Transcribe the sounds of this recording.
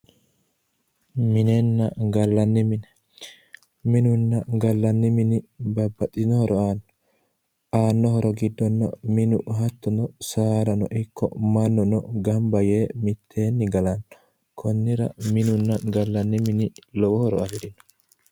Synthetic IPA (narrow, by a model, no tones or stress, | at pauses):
mɪnenːɐɡɐlːɐnːɪmɪnɛ | mɪnʊnːɐɡɐlːɐnːɪmɪnɪbɐbːɐt̪ʼːɪnɔhɔɾʔɔaːnːɔ̥ | ʔaːnːɔɦɔɾɔɡɪd̪ːɔnːɐ̰mɪnʊ̰ɦɐt̪ːɔnɔsaːɾɐnɔ̰ʔɪkʰːɔ̰mɐnːɔnɔɡɐmbɐjeːmɪt̪ʰːe̞ːnːɪɡɐlɐnɔ | kʰɔnːɪɾɐ̰mɪnʊnːɐɡɐlːɐnːɪmɪnɪlɔwɔhɔɾɔɐfɛɾɪnɔ̥